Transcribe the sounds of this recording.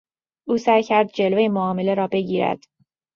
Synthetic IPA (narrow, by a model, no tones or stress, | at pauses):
ʔuːsæjcʰæɾd̪̚d͡ʒe̞lvejemoɒːme̞le̞ɾɒːbe̞ɟiːɾæ̰d̪̥